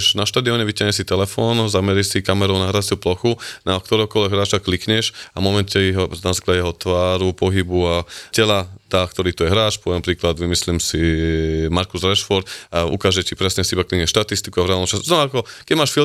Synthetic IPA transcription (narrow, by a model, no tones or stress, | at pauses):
ʃnaʃt̪aːd̪iɔɲɛʋicaɦɲɛsit̪ɛlɛfɔːnzamɛɾisikamɛɾɔʊnaɦɾasɪuplɔxunak̚t̪ɔɾɛɦɔkɔlɛɡɦɾaːt͡ʃaklikɲɛʃamɔmɛncɛjɛɦɔnazaːklaɟjɛɦɔt̪ʋaːɾupɔɦibuacɛlad̪̥aːkt̪ɔɾiːt̪ujɛɦɾaːt͡ʃpɔɛnpɾiːklad̪ʋimislimsimaɾkuzɾɛʃfɔɾt̪aṵkaːʒɛcipɾɛsɲɛsiibaklikɲɛʃt̪at̪ist̪i̥kuavɾɛalnɔt͡ʃasznɔakɔkɛmaːʃfil